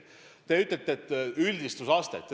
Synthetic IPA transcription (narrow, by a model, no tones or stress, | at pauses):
t̪e̞yt̪ːˑelʲt̪ːeet̪ːylʲd̪ist̪usɑst̪ḛt̪ːˑ